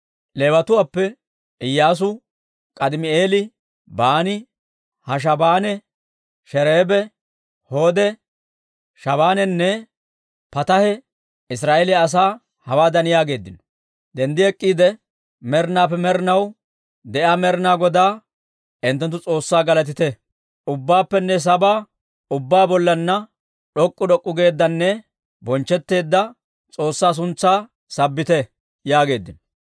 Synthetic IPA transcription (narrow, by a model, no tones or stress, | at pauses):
leːwɐt̪ʊwaːpːɛ | ʔɪjːaːs̬ʊ | kʼɐd̪ɪmɪeːlɪ | baːnɪ | hɐʃ̬ɐbaːnɛ | ʃɛɾe̞ːbɛ | ho̞ːd̪ɛ | ʃɐβaːnɛnːɛ | pɐt̪ɐhɛ | ɪs̬ɾaːʔelɪɐs̬aː | hɐwaːd̪ɐnɪjaːɡe̞ːd̪ːɪnɔ̥ | d̪ɛnd̪ɪɛkʼːiːd̪ɛ | mɛɾɪnaːpːɛmɛɾɪnɐw | d̪ɛʔaːmɛɾɪnaːɡɔd̪aː | ɪnt̪ːɛnt̪̬ːʊt͡sʼo̞ːsːaːɡɐlɐt̪ɪt̪ɛ | ʔʊbːaːpːɛnːɛs̬ɐbaː | ʊbːaːbɔlːɐnːɐ | ɗɔkʼːʊd̪ɔkʼːʊɡe̞ːd̪ːɐnːɛ | bɔnt͡ʃːɛt̪ːe̞ːd̪ːɐ | t͡sʼo̞ːsːaːs̬ʊnt͡sːaː | sɐbːɪt̪ɛ | jaːɡe̞ːd̪ːɪnɔ̥